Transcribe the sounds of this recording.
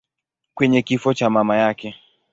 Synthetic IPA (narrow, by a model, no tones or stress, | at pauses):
kwɛɲɛkifɔt͡ʃamamajakɛ